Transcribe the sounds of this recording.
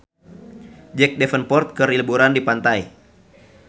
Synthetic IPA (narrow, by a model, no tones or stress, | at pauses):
d͡ʒɛk̚dɛfənpɔrt̪̚kəɾilbuɾandipant̪ai